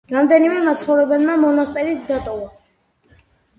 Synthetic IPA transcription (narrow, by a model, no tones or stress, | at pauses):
ɾɑmd̪ɛnimɛmat͡sʰχɔɾɛbɛnnɑmɔnɑst̪ʼɛɾid̪ɑt̪ʼɔvɔ